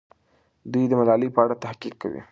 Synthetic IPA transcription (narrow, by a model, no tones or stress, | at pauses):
d̪wujd̪əmalɑlipəaɽat̪ahqikːa̰wḭ